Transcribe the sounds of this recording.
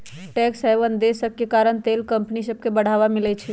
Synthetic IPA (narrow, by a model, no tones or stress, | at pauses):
ʈɛksɦɛʋənd̪esəb̚kekaɾəɳt̪elkə̃mpnisəb̚ʱkebəɽ̤aʋamilɛt͡ʃʰi